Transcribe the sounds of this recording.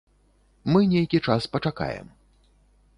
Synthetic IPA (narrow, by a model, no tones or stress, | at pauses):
mɨnʲejkʲit͡ʂaspɐt͡ʂaka̰jɛ̰m